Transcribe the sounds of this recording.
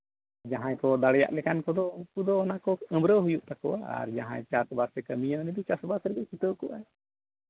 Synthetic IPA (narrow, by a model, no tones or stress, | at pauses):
d͡ʒaɦãjkɔd̪aɽɛja̰ʔlɛkankɔd̪ɔukud̪ɔːnakɔə̃mbɾəɦujuʔt̪akɔwaa̰ɾd͡ʒaɦã̰jt͡ʃasbasɾɛkəmijanɛd̪ɔt͡ʃasbasɾɛd̪ɔkit̪əkɔʔa̰j